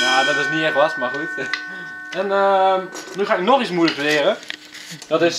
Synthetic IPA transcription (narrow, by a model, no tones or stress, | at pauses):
jaːdɔtɪsniɛχʋasmaχut | ɛnənyχaːɪknɔχismuləkʋɪːɾə | d̥ɔtɪs